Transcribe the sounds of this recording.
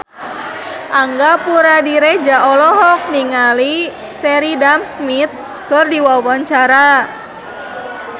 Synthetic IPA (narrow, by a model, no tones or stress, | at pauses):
ʔaŋɡapuɾadiɾɛd͡ʒaʔɔlɔɦɔk̚niŋali | sɛɾidamsmit̪̚ | kərdiwawaɲt͡ʃaɾa